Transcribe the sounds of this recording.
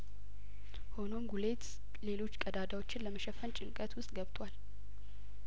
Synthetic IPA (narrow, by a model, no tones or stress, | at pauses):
ho̞no̞mɡule̞t̪ | le̞lo̞t͡ʃːkʼəd̪ad̪awo̞t͡ʃːɪnləməʃəfənt͡ʃʼɪŋkʼət̪wʊst̪ʼɡəβt̪ʼwal